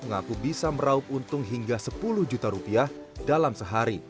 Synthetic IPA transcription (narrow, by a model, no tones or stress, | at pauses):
məŋakubisaməɾaʊp̚unt̪ʊŋɦiŋɡasəpulʊhd͡ʒut̪aɾupiah | dalamsəɦaɾi